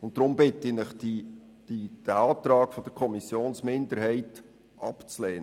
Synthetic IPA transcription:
ʊnt̚d̥ɾʊmbɪtɪnɪχdi̥ | id̥æɑːt̪ɾɑːkfɔd̥̪əɾkʰɔmisjoːnsmɪndəɾhɛɪt | ʔɑpt͡sleːn

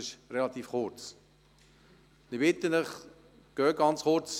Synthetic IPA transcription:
ɪʃɾɛlat̪iːfχʊrt͡s | dibɪt̪ənəχ | ɡ̥œːɡ̥ɑnt͡sχʊɾt͡s

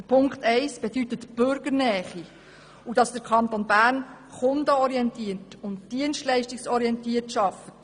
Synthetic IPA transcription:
əpʰʊŋkχtɛɪsb̥edytətb̥ʏɾɡəɾnɛːχi | ud̥ɑsd̥əɾkʰɑnt̪onbæːɾn | χʊndəɔɾiɛntiətʊntd̥iənstlɛɪʃtiksɔɾiɛntiətʃɑfət

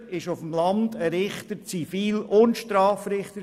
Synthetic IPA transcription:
ɪʃʊfəm̩lɑndəɾɪχt̪ət͡sifiːlʊntʃtɾɑːfɾɪχtə

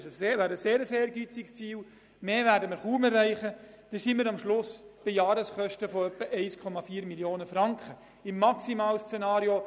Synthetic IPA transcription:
ʃəʋæːɾəseːɾəseːɾɡit͡sikst͡siːl | meːvæːɾdəməɾχuːmɛrːɛɪχə | d̥esiːməɾɑmʃlʊsb̥ɪjɑːɾəsχœʃtəfɔœpːəʔɛɪskʰɔmɑfiːɾmiljoːnəfɾɑŋkχə | ɪmːɑksimɑːlst͡senɑːɾjo

